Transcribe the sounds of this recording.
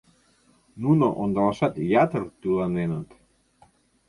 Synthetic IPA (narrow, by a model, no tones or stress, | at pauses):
nunoʔond̪əlasat̪jat̪əɾt̪ulanenat̪